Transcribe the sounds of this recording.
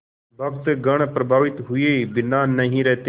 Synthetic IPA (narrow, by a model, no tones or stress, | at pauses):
ʋəkt̪ɡəɽ̃epɾəbʱaːʋɪt̪ɦʊebɪnaːnəɦĩɾɛːt̪e